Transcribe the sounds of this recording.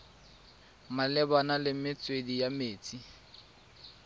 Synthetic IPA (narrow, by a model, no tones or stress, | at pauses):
malɛbanalɪmɪt͡sʼwedijameːt͡sʼi